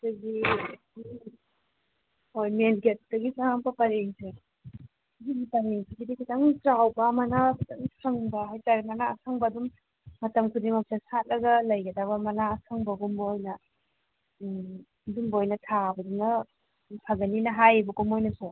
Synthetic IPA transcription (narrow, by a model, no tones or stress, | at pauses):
daɡi | ojmenɡet̚tɐɡisaŋpɐpaɾeŋse | dumipaɾeŋsʰiɡidikʰitaŋtɾawbɐmanakʰitaŋsʰaŋbɐɦajtaɾimanaːsʰaŋbɐdumː | ɐtɐmkʰudimapsasat̚lɐɡɐlɐjɡɐdabɐmɐnaːsʰaŋbɐɡumbjnɐ | dumbojnɐtʰabɐduŋnɐ | pʰaɡɐninɐɦajbɐkumojnɐsɔ